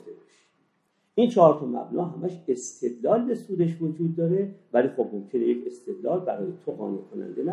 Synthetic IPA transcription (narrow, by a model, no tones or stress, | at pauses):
d̪ebʃ | ʔiːnt͡ʃʰɒɾt̪ʰɒmæ̰bnɒːɦæmæʃe̞st̪ʰe̞d̪lɒːlbe̞suːd̪eʃvod͡ʒuːd̪̚ːɒːɾe̞væliːxobmo̞mkʲʰe̞nejecʰe̞st̪e̞d̪lɒːlbæɾɒːjet̪ʰoɣɒ̰ːnekʰonæ̰nd̪enæ